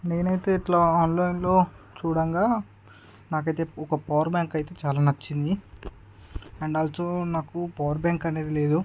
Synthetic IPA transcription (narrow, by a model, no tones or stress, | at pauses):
ne̞ːnɐjt̪e̞ːiʈlaaːnlɐːjinlo̞ː | t͡ʃuːɽɐŋɡaː | naːk̬ɐjt̪e̞ːɔkɐpɐʋɐɾbjaːŋkɐjt̪e̞ːt͡ʃaːlaːnɐt͡ʃːind̪i | ɛɳɖaːlsoːnaːkupɐːʋɐɾbaːŋkɐne̞ːd̪ile̞ːd̪u